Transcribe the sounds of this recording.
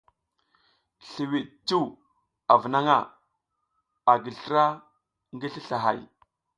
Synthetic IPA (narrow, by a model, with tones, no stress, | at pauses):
ɬi˨wi˨ɗt͡ʃu˦w | a˨və˨na˦ŋa˦˨ | a˨ɡi˨ɬə˦ɾa˦ | ŋɡi˦ɬi˦ɬa˨ɦa̰˨j